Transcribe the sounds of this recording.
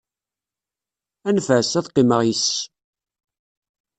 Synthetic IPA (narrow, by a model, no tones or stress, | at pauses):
ænfæsæðqːiməʁjis